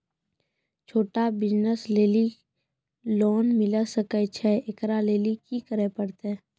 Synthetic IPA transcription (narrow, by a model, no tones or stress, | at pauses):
t͡ʃʰoːʈabɪd͡ʒnəsleːli | loːnmɪləsəkət͡ʃʰɛekɾaleːlikikəɾepəɽt̪ɛː